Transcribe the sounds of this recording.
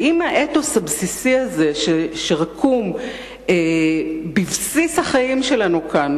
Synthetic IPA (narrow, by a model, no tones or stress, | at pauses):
imaʔetosabsisiazeʃeʃeʁakʰum | ebivsishaχajimʃe̞lanukan